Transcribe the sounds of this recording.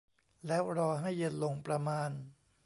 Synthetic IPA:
lɛː˦˥wɾɔː˧ɦa˥˩jːe˧˥n̚lo˧ŋpɾa˧maː˧n

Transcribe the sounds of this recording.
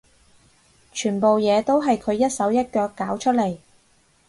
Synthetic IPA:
t͡ʃʰyː˨˩npo˨wjɛː˨˧t̪o˥wɦɐ˨jkʰɵ˨˧ɥjɐ˥t̚sɐ˨˥wjɐ˥t̚kœː˨˧kːaː˨˥wt͡ʃʰɵ˥t̚le˨˩j

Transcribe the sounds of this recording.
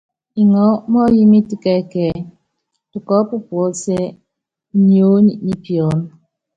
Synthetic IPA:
i˨ŋɔ˨˦mɔ˦ji˦mi˦ti˦kɛ˦˨kɛː˨ | tu˨kɔ˦pu˦pwɔ˨˦se˦ | ɲi˦o˦ɲi˦ni˦pjɔ˨n˦

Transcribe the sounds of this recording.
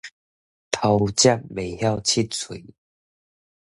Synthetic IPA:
t̪ʰa˧wt͡ɕja˥˧˨k̚me˨˩hja˥˧wt͡ɕʰi˦t̚t͡sʰḭ˨˩˦

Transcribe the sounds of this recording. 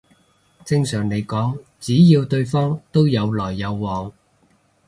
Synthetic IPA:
t͡sɪ˧ŋsœː˨˩ŋne˨˧jkɔː˨˥ŋt͡siː˨˥jiː˧wt̪ɵ˧ɥfɔː˥ŋt̪o˥wjɐ˨˧wlɔː˨˩jːɐ˨˧wːɔː˨˩ŋ

